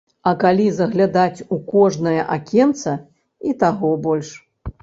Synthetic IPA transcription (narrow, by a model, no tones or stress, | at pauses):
ɐkalʲizɐɣlʲad̪at͡sʲukɔʐnɐjɐʔakʲɛnt̪sɐ | it̪aɣɔbɔlʲʂ